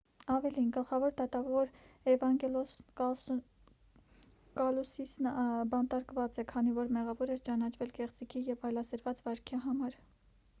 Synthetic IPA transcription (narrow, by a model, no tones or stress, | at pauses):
ɑvɛlinɡəlχɑvɔɾd̪ɑt̪ɑvɔɾ | ɛvɑŋɡɛl | kɑlusisnbɑnt̪ɑɾkvɑt͡sɛkʰɑnivɔɾmɛʁɑvɔɾɛɾt͡ʃɑnɑt͡ʃʰvɛlkɛχt͡sikʰijɛvɑjlɑsəɾvɑt͡svɑɾkʰiɦɑmɑɾ